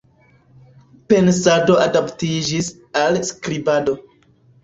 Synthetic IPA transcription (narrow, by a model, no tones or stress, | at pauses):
pe̞nsado̞adaptid͡ʒis | alskɾibado̞